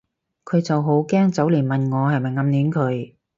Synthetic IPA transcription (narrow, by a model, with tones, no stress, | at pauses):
kʰɵ˨˧ɥt͡sɐ˨wɦo˨˥wkɛː˥ŋt͡sɐ˨˥wliː˨˩nmɐ˨nŋɔː˨˧hɐ˨jmɐ˨jŋɐ˨˧mniː˨˥nkʰɵ˨˧ɥ